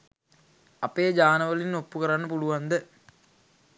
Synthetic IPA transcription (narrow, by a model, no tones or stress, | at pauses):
ɐpeːd͡ʒaːnəʋəlinːopːukəɾanːəpuluʋand̪ə